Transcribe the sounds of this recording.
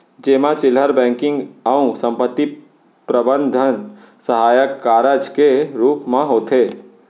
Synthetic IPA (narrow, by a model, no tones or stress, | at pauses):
d͡ʒeːmãt͡ʃɪləɾbɛ̃ːŋkɪ̃ŋɡəũsə̃mpət̪ːi | pɾəbə̃nd̪ʱən | səɦaːjəkːaːɾəd͡ʒkeɾuːpmãɦoːt̪e